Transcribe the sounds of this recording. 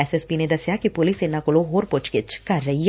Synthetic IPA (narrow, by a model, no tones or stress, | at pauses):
ɛsɛspined̪ɐsjakipʊlisɪnːakʊloɦoːɾpʊt͡ʃkɪt͡ʃkɐɾːɐɦi